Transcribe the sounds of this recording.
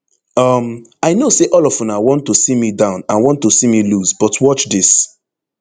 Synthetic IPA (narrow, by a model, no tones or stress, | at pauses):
ʌmaɪnoseʔɔlɔfunawɔ̃ntːosimidãʊ̃nãnwɔ̃ntːosimilusbɔtʰwɔt͡ʃdis